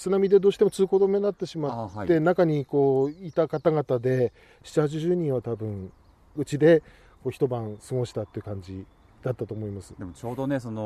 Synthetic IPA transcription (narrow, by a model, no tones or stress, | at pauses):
t͡sɨnamʲid̪e̞d̪oːɕi̥t̪emot͡sɨːko̞d̪o̞me̞nat̪ːe̞ɕimaːe̞nakaɲ̟iko̞ːit̪akat̪aɡat̪ad̪e̞ | ɕi̥t͡ɕihat͡ɕiʑɨːɲ̟ĩɰ̃βat̪abɯ̟̃ŋ | ɯ̟t͡ɕid̪e̞ | koːçi̥t̪o̞bãɰ̃sɨɡo̞ɕi̥t̪at̪ːeiɯ̟kãɲ̟d͡ʑḭ | d̪̥at̪ːat̪o̞ːmo̞imasɨ̥d̪emot͡ɕoːd̪onesono